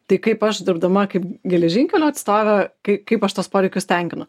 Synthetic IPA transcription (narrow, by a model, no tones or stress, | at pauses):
t̪ɐɪkɐɪpɐʃd̪ʲɪɾbd̪ɐmɐkɐɪpɡʲɛlʲɛʒʲiŋʲkʲɛlʲoːɐt̪st̪oːʋʲɛkɐɪkɐɪpɐʃt̪oːspoːɾʲɛɪkʲʊst̪ʲɛŋʲkʲɪnʊ